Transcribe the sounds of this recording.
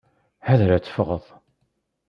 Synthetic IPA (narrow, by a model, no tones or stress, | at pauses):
hæðɾæt͡sːə̥fʁəðˤ